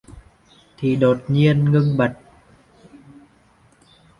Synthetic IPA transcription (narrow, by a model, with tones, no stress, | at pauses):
t̪ʰi˨˩ɗo˨˩t̚ɲi˧ənŋɨ˧ŋɓa˨˩t̚